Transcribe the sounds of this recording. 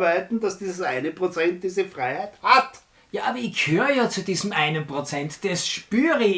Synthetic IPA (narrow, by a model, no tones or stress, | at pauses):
baɪtn̩dasd̥iːzɐʔaɪnəpʁot͡sɛnt̚d̥iːzəfʁaɪhaɪthat | jaːʔaːbɐɪçɡ̥əhøːʁəjaːt͡sudiːzəmʔaɪnənpʁ̥ot͡sɛntd̥ɛsʃpyːʁə